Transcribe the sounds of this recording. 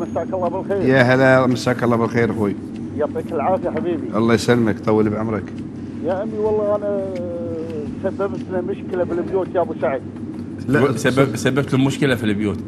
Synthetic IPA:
məsakɑlˤːɑbəlxiɾjæɦælæməsakɑlˤːɑbəlxiɾxuj | jɑt̪ˤːikəlʕɑɾˤfjħabibiʔɑlˤːɑjsælːməkt̪ˤɑwːəlbʕʊmɾˤək | jaʔəmːiwɑlˤːɑʔænæ | sabːəbt̪nmʊʃkəlabəlbjut̪jabuʃaʕə | sabːsabːəb̚t̪ləmʊʃkəlafilbjut̪

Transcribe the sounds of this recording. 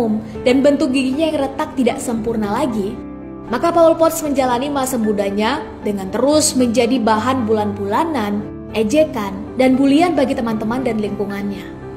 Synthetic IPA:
mdanbənt̪ʊk̚ɡiɡiɲajaŋrət̪ak̚t̪idaʔsəmpurnalaɡi | makapawəlpɔrt̪sməɲd͡ʒalanimasəmbudaɲa | dəŋant̪əɾʊsməɲd͡ʒadibaɦanbulanbulanan | ʔɛd͡ʒekan | danbulianbaɡit̪əmant̪əmandanliŋkuŋanɲa

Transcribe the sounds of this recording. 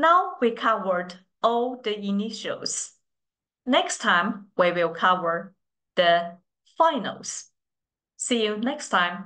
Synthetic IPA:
naʊwikʰavə˞d | ɔlˠðəiniʃəlˠz̥ | nɛkstʰãɪ̃mwiwɪlˠkʰavə˞ | ðə | fãɪnə̰l̩ˠz̥ | sijʉnɛkstʰãɪ̃m

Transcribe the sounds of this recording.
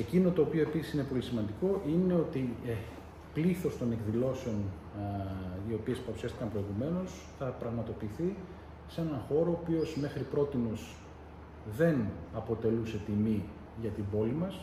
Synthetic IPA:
e̞cino̞t̪o̞ːpio̞e̞pisi̥sinepo̞lisimɐnd̪iko̞ʔine̞o̞t̪i | pliθo̞st̪o̞ne̞kðilo̞seo̞n | io̞piespɐɾusɐst̪ikɐmpɾo̞iɣume̞no̞s | θɐpɾɐɣmɐt̪o̞piːθi | se̞nɐxo̞ɾo̞ːpio̞zme̞xɾipɾo̞t̪ino̞s | ðe̞nɐpo̞t̪e̞luse̞t̪imi | ʝɐt̪ibo̞limɐs

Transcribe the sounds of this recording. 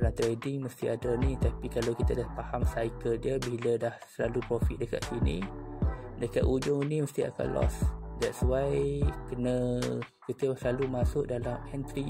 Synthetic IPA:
dalant̪ɾedɪŋməst̪iadənit̪apikalawkit̪adahpahamsajkəldiəbilədahsəlalupɾɔfiʔ̪̚dəka̰t̪sinḭ | dəkaʔ̪ud͡ʒʊŋiniməst̪ia̰ka̰nlɔ̰sdɛt̪̚swajkənə̃kit̪əasəlalumasʊʔdalamɛnt̪ɾi

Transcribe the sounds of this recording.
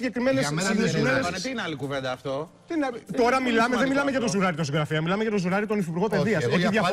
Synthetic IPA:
ɟe̞kɾime̞nesiðuɾst̪inɐlikuvend̪ɐːft̪o | t̪int̪o̞ɾɐmilɐmeðenmilɐmeʝɐt̪ozuɾɐɾit̪osiɣɾɐfiɐmilɐmeʝɐt̪o̞zuɾɐɾit̪o̞nifipuɾɣo̞peðiɐsot̪iðʝɐ

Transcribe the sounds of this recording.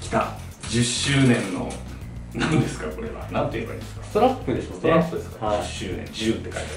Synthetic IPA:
kʲi̥t̪a | d͡ʑɨɕːɨːnẽ̞nːo̞̰ | nãnd̪e̞sɨ̥kako̞ɾe̞̰βa̰nãnt̪oieba̰ɾimḁsɨ̥kast̪oɾakːɯ̟d̪esst̪oɾaːɯd̪esɨ̥kahaɨɕːɨːnḛ̃nd͡ʑɯːt̪ːe̞kait̪a

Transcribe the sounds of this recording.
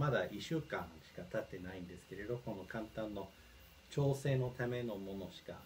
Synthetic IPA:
mad̪aʔiɕɨːkãɰ̃ɕi̥kat̪at̪ːe̞naĩnd̪e̞sɨ̥ke̞ɾe̞d̪o̞ko̞no̞kãnt̪ãnːo̞ | t͡ɕo̞ːse̞ːno̞t̪ame̞no̞mo̞no̞ɕi̥ka

